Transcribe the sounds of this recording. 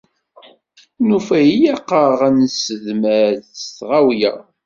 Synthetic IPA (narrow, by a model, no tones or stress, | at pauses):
nufæjjɑqːəʁænsəðmæɾðsθʁawjæ